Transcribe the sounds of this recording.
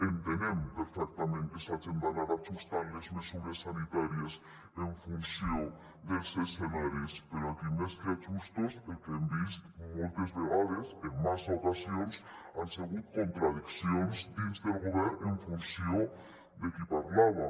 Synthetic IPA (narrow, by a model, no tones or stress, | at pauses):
ent̪enempeɾfek̚t̪amẽnt̪esat͡ʃembanaɾat͡ʃust̪aɾlezmesuɾesːanit̪aɾjas | eɱfunsjo | d̪elseselaɾespeɾoakimeskat͡ʃust̪osekend̪ist̪molt̪ezβeɣaðeseŋmasokasjonsanseɣukont̪ɾað̞iksjonsd̪inzt̪elɣoβeɾeɱfunsjo | d̪ekipaɾlaβa